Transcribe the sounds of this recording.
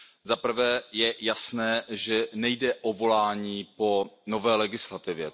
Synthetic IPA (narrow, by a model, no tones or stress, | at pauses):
zapr̩vɛːjɛjasnɛːʒɛnɛjdɛʔovo̞laːɲiːpo̞no̞vɛːlɛɡɪslat̪ɪvjɛ